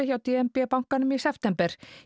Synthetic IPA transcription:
ɪçawt̪iɛmpɛːpaŋ̥kanʏmisɛpt̪ɛmpɛɾ̥

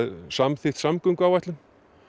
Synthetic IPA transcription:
ðsamθɪht̪samkʏŋkawajt̪lʏn

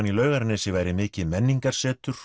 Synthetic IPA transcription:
nilœːɥɣaɾnɪsɪvaːjɾɪmɪːcɪmɛnːiŋkaɾ̥sɛːt̪ʏɾ̥

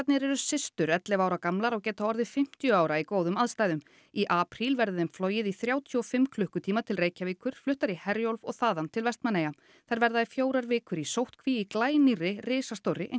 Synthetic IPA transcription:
t̪nɪɾɛɾʏsɪst̪ʏɾɛt̪lɪvaːwɾakamlaɾawcɛːt̪aɔɾðɪfɪm̥t̪jʏaːwɾaikoːwðʏmaðst̪aːjðʏm | iʔaːpɾilvɛɾðʏðɛmflɔːjɪðiθɾjaːwt̪ʰjɔɔfɪmkʰlʏhkʏt̪ʰiːmat̪ʰɪlreːjcaviːkʏɾ̥flʏht̪aɾihɛɾjowlvɔɣθaːðant̪ʰɪlvɛst̪manːeja | θajɾvɛɾðaðɪfjoːwɾaɾvɪːkʏɾisowht̪kʰviiklaːjnirɪrɪːsast̪owrːɪʔḛ

